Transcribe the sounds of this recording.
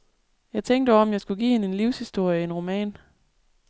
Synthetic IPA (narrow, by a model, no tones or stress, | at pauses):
jɑ̈ɪt͡sʰeŋ̰d̥əɒ̽mjɑ̈ɪsɡ̥uɡ̥ḭːhe̝nəe̝nliʊshisd̥o̝ɐ̰jəienʁo̝mɛ̰ːn